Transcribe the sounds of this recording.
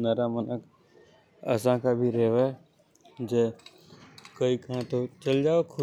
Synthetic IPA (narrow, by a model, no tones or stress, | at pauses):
nɐɾamənək | ɐ̰sãkabʱiɾeːʋ | d͡ʒe | kəikɐɦãt̪ot͡ʃɐld͡ʒaːokʰʊ